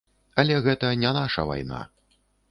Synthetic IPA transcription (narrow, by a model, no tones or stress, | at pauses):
ɐlʲɛɣɛt̪ɐnʲɛnaʂɐ̰va̰jna̰